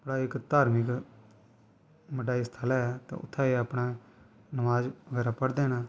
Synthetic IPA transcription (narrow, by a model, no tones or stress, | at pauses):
pəɽaːɪkt̪aːɾmɪk | məʈ̬aːiːst̪ʰaːlaːɛt̪ḛ̃ːʊ̰t̪ʰːaːeapnaː | nəʋaːd͡ʒʋəɡɛːɾaːpəɽd̪ẽːnaː